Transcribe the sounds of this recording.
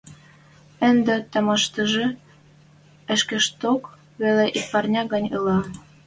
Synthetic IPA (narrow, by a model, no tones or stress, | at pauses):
ə̆nd̪ĕt̪ɑmɑʃt̪ə̆ʒĕ | ə̆ʃkĕʃt̪ok | βeleʔipɑrnʲɑɣɑnʲɯlɑ